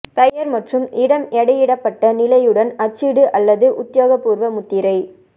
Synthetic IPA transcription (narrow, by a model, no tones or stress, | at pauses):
pɐjɐɾmɐʈrɯmʔɪɽɐmɛɽɐjɪɽɐpːɐʈːɐnɪlɐjɯɽɐnɐt͡ʃːiɽɯʔɐlːɐðɯʔʊt̪ːjoːɣɐpːuːɾʋɐmʊt̪ːɪɾɐɪ